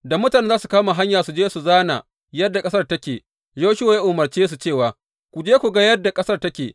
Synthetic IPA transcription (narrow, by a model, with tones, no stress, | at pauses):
da˨mʊ˦ta˨neː˦zaː˦su˨kaː˦ma˨ɦa˦ɲjaː˨su˨d͡ʒeː˦su˨zaː˦na̰˨ | jɐ˦dːa˨kʼɐ˦sɐ˦rtɐ˦kʲeː˨ | d͡ʒoː˦ʃɪ˦oː˨ja˦ʔoː˨mɐ˨rt͡ʃeː˦s̬u˨t͡ʃeː˦˨waː˨ | kʷu˨d͡ʒeː˦kʷu˨ɡa˦jɐ˦dːa˨kʼɐ˦sɐ˦˨rtɐ˦kʲeː˨